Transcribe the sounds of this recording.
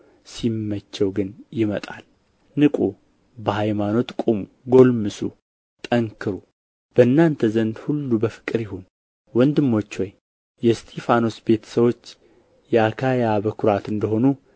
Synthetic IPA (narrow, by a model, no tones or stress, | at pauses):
simːət͡ʃːɛwɡɨnjɪmət̪ʼal | nɨkʼu | bəhajmano̞t̪kʼomu | ɡo̞lmɨsu | t̪ʼəŋkʰɨɾu | b̥əɨnːant̪ʰəzənd̪hulːubəfɨ̥kʼɨɾjɪhon | wɔnd̪ɨmːo̞t͡ʃːwoj | jɛst̪ʰefano̞sbe̞t̪ʰə̥səwo̞t͡ʃː | jɛakʰajabəkʰʊɾat̪ɨnd̪əho̞nu